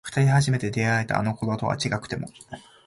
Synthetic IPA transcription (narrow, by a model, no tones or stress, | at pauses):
ɸɯ̟̥t̪aɾʲihaʑime̞t̪e̞d̪e̞ae̞t̪a̰ːno̞koɾot̪o̞a̰t͡ɕiɡakɯ̟̥t̪e̞mo̞̰